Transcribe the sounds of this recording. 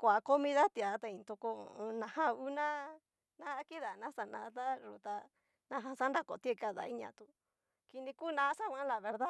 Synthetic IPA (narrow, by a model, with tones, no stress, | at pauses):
kʷa˨ko˦mĩ˦˧ða˦t̪i˧˨a˨˦t̪a˧ĩ˨˧nt̪u˧ko˧nã˨hã˦u˦nã˦ | nã˦ki˦ða˨nã˦sa˨nã̰ː˧ða˦ʐu˨t̪a˧ | nã˧ɦã˧sa˦nɾa˦ko̰˨t̪e˦˧ka˧ða̰˧˨i˦ɲã̰˧˨t̪u˧ | ki˧nĩ˧ku˦˨nã˧˦sa˦kʷã˦la˨βe˧ɾða˦